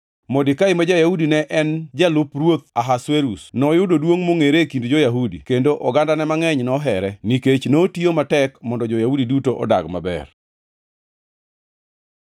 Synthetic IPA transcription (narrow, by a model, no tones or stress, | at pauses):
mɔdɪkaɪmad͡ʒajahudinɛʔɛnd͡ʒalʊprwot̪̚aɦasweɾusnɔjʊdodwoŋmoŋeɾekindd͡ʒojaɦudikendoʔɔɡandanɛmaŋɛɲnɔɦɛɾɛniket͡ʃnotiomatɛkmɔndɔd͡ʒɔjahudidutoʔɔ̰da̰ɡma̰bɛ̰r